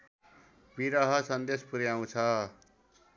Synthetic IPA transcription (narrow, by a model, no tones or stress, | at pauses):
biɾʌɦʌsʌnd̪espuɾjaw̃t͡sʰʌ